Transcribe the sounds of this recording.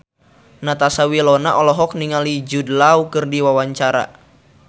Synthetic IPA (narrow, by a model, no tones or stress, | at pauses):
nat̪asawilɔnaʔɔlɔɦɔk̚niŋalid͡ʒudəlaukɨrdiwawaɲt͡ʃaɾa̰